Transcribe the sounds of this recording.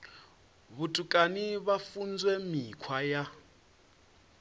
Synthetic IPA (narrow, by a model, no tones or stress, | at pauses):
βutʼukʼaniβafund͡zwɛmikʰwaja